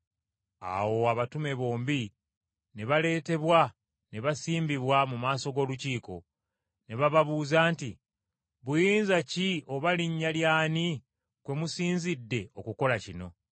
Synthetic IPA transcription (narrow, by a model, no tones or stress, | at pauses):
a̰wo̞aβatume̞βo̞ːmbi | neβale̞ːte̞βwa | neβasiːmbiβwamumaːso̞ɡo̞ːluciːko̞̰ | neβaβaβuːzaːnti | βujiːnzacio̞βaliɲːaljaːni | kwe̞musiːnzidːe̞o̞kuko̞lacino̞̰